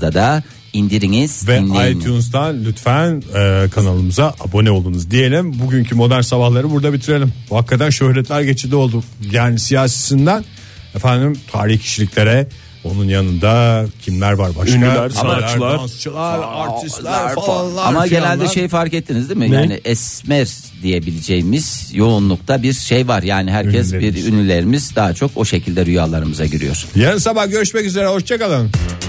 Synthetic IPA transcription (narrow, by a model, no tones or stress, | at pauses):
d̪ad̪a | ind̪iɾiŋiz̥vɛaj̪ʰjunzd̪anlʲyt̪fænɛːkʰanalˠɯmuzaʔabo̞nɛo̞lˠd̪unuzd̪ije̞lʲimbuɟyɲcʰimo̞d̪æɾnsabahlˠaɾɯbuɾd̪abit̪ʰiɾe̞lʲimbuhakːad̪ænʃø̞hɾɛt̪ʰlʲæɾɟe̞t͡ʃʰid̪ʲio̞lˠd̪ujaːnisijaːsesind̪æn | efænd̪imt̪ʰaːɾiçcʰi̥ʃilʲicʲlʲe̞ɾɛ | o̞nunjanɯnd̪acʰimlʲæɾvaɾbaʃnyaæɾat͡ʃˠst͡ʃʰɯlˠaɾaɾt̪ʰislˠaɾˠaamaɡɟe̞nælʲd̪ɛʃe̞jfaɾkɛt̪ːinizd̪imɪjaːniʔɛsmɛɾ | d̪ije̞bilʲed͡ʒejimiz̥jo̞unlˠukt̪ʰabiɾʃe̞jvaɾjaːniɦæɾcʰɛsbiɾynlʲylʲe̞ɾimizd̪aːt͡ʃʰo̞ko̞ʃe̞cʰilʲd̪ɛɾyjaːlˠaɾɯmɯzaɟyɾy̰joɾ̥janɯnsabahɟøɾyʃmɛcyze̞ɾɛho̞ʃt͡ʃʰakalˠanm